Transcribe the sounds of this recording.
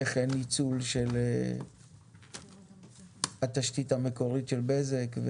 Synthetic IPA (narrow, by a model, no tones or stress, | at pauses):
eχenit͡sulʃele | hat̪aʃtithameko̞ʁitʃe̞lbezekve